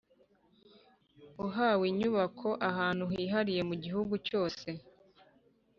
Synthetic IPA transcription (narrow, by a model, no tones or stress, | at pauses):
uɦaːwiɲuβakʰo̞ʔaɦaːn̥uɦiːɦaɾije̞muɟiɦuɡuco̞ːse̞